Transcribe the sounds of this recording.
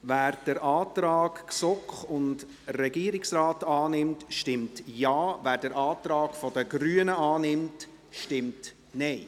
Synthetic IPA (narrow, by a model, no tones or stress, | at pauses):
ʋæːɾd̥əɾʔɑːtɾɑːkksɔkχʊnd | rɛɡiːəɾɪksɾɑːtɑːnɪmtʃtɪmtjɑːvæːɾdəɾʔɑːt̪ɾɑːɡ̥fɔdəɡɾyːənəʔɑːnɪmt | ʃtɪmt | nɛɪ